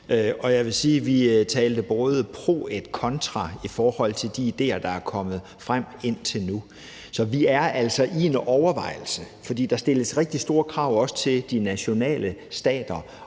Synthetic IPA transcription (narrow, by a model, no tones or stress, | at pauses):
øɒ̽jɑɪʋe̝siːʋit͡sʰɛːld̥əb̥ɔːð̞ˠəpʰʁo̝̰ːed̥kʰɒ̽nt͡sʰʁɑ̈ifɒːhɒ̽l̰t͡sʰe̝ld̥iːd̥e̝̰ːɐd̥ɑ̈æɐkʰɒ̽mð̞̩ˠ | fʁam̰e̝n̰t͡sʰe̝lnu | sɒ̽ʋiæɐʔæl̰sɒ̽ʔie̝nɒʊɐʋɑ̈ɪ̰l̩səfɒ̽d̥ḭːd̥ɑ̈sd̥e̝ləsʁeɡ̥̚d̥isd̥o̝ːɐkʰʁɑ̈ʊ̰ɒ̽sə̥t͡sʰe̝ld̥inæɕo̝nɛ̰ːləsd̥ɛ̰ːd̥ɐ